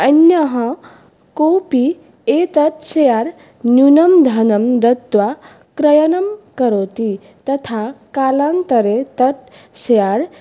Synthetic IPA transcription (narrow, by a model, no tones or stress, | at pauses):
ɐnjɐɦɐ̃ | kowpi | et̪ɐt̪sejaɾ | njunɐmd̪ʱɐnɐmd̪ɐt̪ʋa | kɾɐjɐnɐmkəɾot̪i | t̪ɐt̪ʰakalant̪əɾet̪ɐt̪sejaɽ